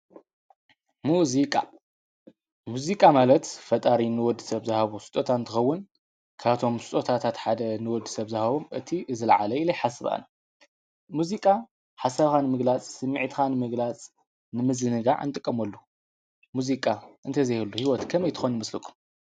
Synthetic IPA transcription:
muzikʼa̰ | muzikʼamalɐt̪fɐt̪ʼaɾinɨwɔd̪ːɨsɐβzɨhaβusu̥t̪ʼot̪ʰant̪ʰɨxɐwːʊn | kʰaβt̪ʰo̞msɨ̥t̪ʼot̪ʰat̪ʰat̪ħad̪ɐnɨwɔd̪ːɨsɐβzɨhaβomʔɨt̪ʰiʔɨzɨlʕa̰lɐɨlɐjħasɨβa̰nɐ | muzikʼa | ħasaβxanɨmɨɡlat͡sʼsɨmːiʕt̪xanɨmɨɡlat͡sʼ | nɨmɨzɨnɨɡa̰ʕ̰nt̪ʼɨkʼːɐmɐlːu | muzikʼaʔɨnt̪ʰɐzɐjhɨlːuhiwɔt̪kʰɐmɐjt̪ʰɨ̥xonjɨmɐslɨkʰʼu̥m

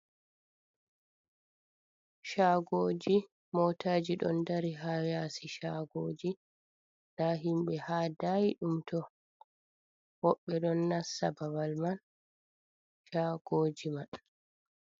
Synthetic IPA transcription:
ʃaːɡoːd͡ʒi | mɔːtʰaːd͡ʒiɗɔ̰ndaɾiɦawjasiʃaːɡoːd͡ʒi | daɦimɓɛhaːdajiɗumtɔ | hɔɓːɛɗɔnːasa̰babalman | ʃaːɡ̥oːd͡ʒiman

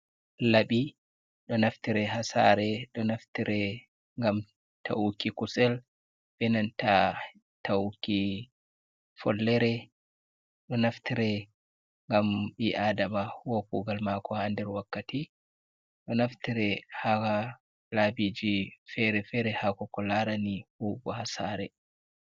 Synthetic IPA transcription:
laɓi | ɗɔnaftiɾɛɦasa̰ɾɛɗɔnaftiɾɛ | ŋɡam | tʰa̰ukikusɛl | bɛnanta | tawukːi | fɔ̰lːɛɾɛ | ɗɔnaftiɾɛ | ŋɡambiʔadamawopuɡalmakɔhandɛɾwakːati | ɗɔnaftiɾɛhaka | labid͡ʒifɛɾɛfɛɾɛhakɔkɔlaɾanihuɡɔhasaɾɛ

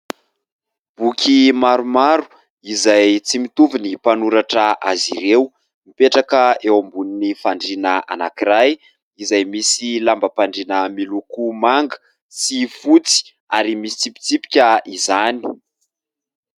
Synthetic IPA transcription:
b̥ukʲʰimaɾumaɾu | izajt͡simit̪uvinipanuɾaʈ͡ʂəa̰zḭɾew | mipeʈ͡ʂakəewambuninifaɳɖ͡ʐinəa̰na̰kiɾaj | izajmisilambəpaɳɖ͡ʐinəmilukumaŋɡə̥ | sifut͡si̥ | aɾimisi̥t͡sipi̥t͡sipi̥kʲaizani̥

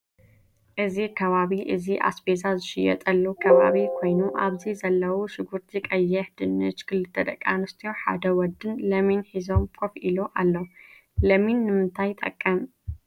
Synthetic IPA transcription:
ʔɨzikʰɐβaβiʔɨziʔa̰sbezazɨʃɪjɛ̰t̪ʼɐlːukʰɐβa̰βikʰo̞jnuʔaβzizɐlːɐwuʃɪɡuɾt̪ʰikʼɐjːɛħd̪ɨnːɨt͡ʃkʰɨlɨt̪ʰːɐd̪ʼɐkʼːanɨst̪ʰijo̞ħa̰d̪ɐwɔd̪ɨnlɐminħizo̞mkʰofʔiloʔalːo | lɐminːɨmɨnt̪ʰajt̪ʼɐ̰kʼːɐm

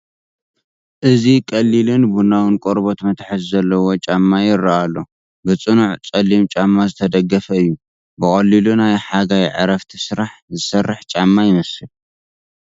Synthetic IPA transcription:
ʔɨzikʼɐlːilɨnbunawɨnkʼoɾbo̞t̪mɐt̪ʰħɨzzɐlːɐwo̞t͡ʃʼamːajɪrːaʔalːo̞ | bɨt͡sʼɨnuʕt͡sʼɐlːimt͡ʃʼamːazɨt̪ʰɐd̪ɐɡːɐfɐɨjːu | bɨχʼɐlːilunajħaɡajʕɨ̰ɾɐft̪ʰisɨɾaħzɨsɐrːɨħt͡ʃʼamːajɪnɐsɨl

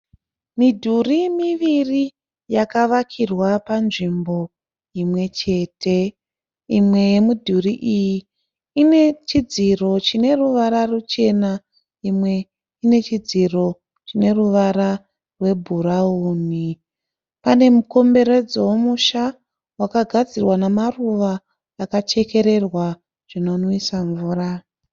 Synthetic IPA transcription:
midʱurimiʋiri | jakaʋakʰirwapanʐimbo̞ | imwe̞t͡ʃe̞ːtʰe̞ | imwe̞je̞mudʱuriʔijiː | ne̞t͡ʃid͡ziro̞t͡ʃine̞ruʋaɾarut͡ʃe̞na | imwe̞ | ine̞t͡ʃid͡ziro̞ | t͡ʃine̞ruʋaɾa | rwe̞bʱuɾauːni | pane̞muko̞mbe̞ɾe̞d͡zowomuʃa | wakaɡʱad͡zirwanamaruʋaː | kat͡ʃe̞ke̞ɾe̞rwa | ʐ̥ino̞noisaɱvuːra

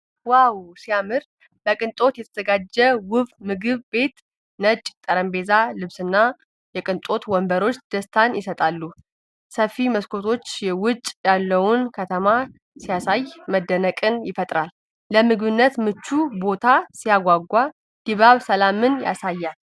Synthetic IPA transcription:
wawsijamɨɾ | bəkʼɨnt̪ʼo̞t̪jɛt̪ʰəz̥əɡad͡ʒːɛwʊβmɨɡɨβbe̞t̪ | nət͡ʃʼt̪ʼəɾəmbe̞zalɨβsɨnːa | jɛkʼɨnt̪ʼo̞t̪wɔmbəɾo̞t͡ʃːd̪̥əst̪ʰanjɪsət̪ʼalːu | səfːiməskʰo̞t̪ʰo̞t͡ʃːjɛwʊt͡ʃʼːjalːəwʊnkʰət̪ʰəma | sijasajməd̪ːənəkʼɨnjɪfət̪ʼɾalː | əmɨɡβɨnːət̪mɨt͡ʃːubo̞t̪ʰasijaɡʷaɡʷa | d̪̥iβaβsəlamɨnja̰sajːal

